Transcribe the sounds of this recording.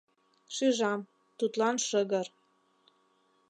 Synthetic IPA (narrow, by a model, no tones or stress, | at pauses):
ʃyʒɑm | t̪ut̪lɑnʃəɣə̆r